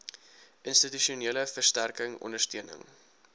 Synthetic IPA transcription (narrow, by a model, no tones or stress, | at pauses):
ʔənstityʃiuniələfərstærkəŋɔ̰ndərstøənə̰ŋ